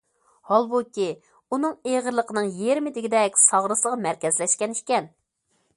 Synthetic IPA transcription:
hɑlˠbukʲi | unɨŋeʁəɾlˠəqʰənɨŋjeɾmɪd̪ɪɡʲid̪ɛkʲsɑʁɾɨslˠəʁɑmæɾkʲɛzlɛʃkʲɛnikʲɛn

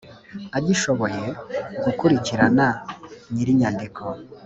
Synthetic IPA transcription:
aɟiʃo̞βo̞je̞ɡukuɾiciɾananiɾiɲandikʰo

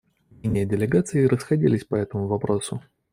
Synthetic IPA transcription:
mʲenʲɪjədʲɪlʲɪɡat̪sɨɪɾʔəsxɐdʲḭlʲɪsʲpɐɛt̪əmʊvɐpɾo̞sʊ

